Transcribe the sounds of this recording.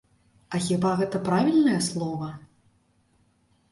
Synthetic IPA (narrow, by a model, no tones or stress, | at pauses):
ɐxʲibaɣɛt̪ɐpɾavʲilʲnɐjɐslˠɔvɐ